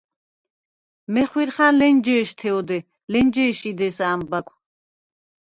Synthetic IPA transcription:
mɛχwiɾχanlɛnd͡ʒɛːʃt̪ʰɛɔd̪ɛ | lɛnd͡ʒɛːʃid̪ɛsaːmbakʷʰ

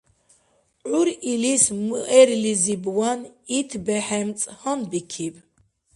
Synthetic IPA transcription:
ʕuɾilismɨʔɛɾlizibwanit̪ʰbɛħɛmt͡sʼhanbikʰib

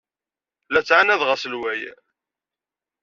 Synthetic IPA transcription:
læt͡sːʕanæðʁasəlwæj

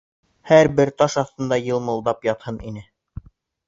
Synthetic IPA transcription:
hæɾbɘɾt̪ɑʃɑθt̪ɤ̆nd̪ɑjɤlˠmɤ̆lˠd̪ɑpjɑt̪hɤninɘ

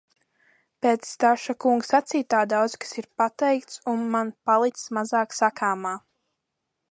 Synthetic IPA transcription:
peːt̪sːt̪aʃakuŋɡsat̪siːt̪aːd̪awd̪zkḁsiɾpat̪ɛjkt̪sunmanpalˠit̪smazaːksakʰaːmaː

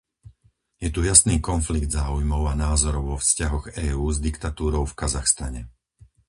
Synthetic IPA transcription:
jɛt̪ujasniːkɔnfliɡd̪zaːujmɔʊanaːzɔɾɔʊʋɔfscaɦɔɣɛːuːzd̪ikt̪at̪uːɾɔʊfkazaxst̪a̰ɲɛ

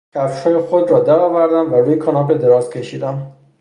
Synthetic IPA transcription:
cʰæfʃhɒːjexod̪ɾɒːd̪æɾɒːvæɾd̪æmvæɾuːjekʰɒnɒːbed̪e̞ɾɒːzcʲʰe̞ʃiːd̪æm

